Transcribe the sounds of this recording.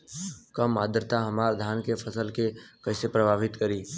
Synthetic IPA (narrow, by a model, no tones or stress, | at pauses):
kəmaːd̪ɾt̪aɦɐmaːɾd̪ʱaːnkefʰəsəlkekɐɦɪsepɾəbʱaːʋɪt̪kəɾiː